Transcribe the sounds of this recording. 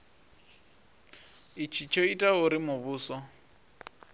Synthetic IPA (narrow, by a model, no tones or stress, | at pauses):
ɪt͡ʃʰit͡ʃʰoitʼaʊɾɪmʊbuːsɔ